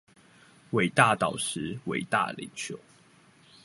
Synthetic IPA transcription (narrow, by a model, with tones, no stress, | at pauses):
we˨˩ɪt̪a˥˨t̪ɑ˨˩ʊʂɻ̩˨˦we˨ɪt̪a̰˥˨lḭ˨˦ŋt͡ɕʰjo˨˦ʊ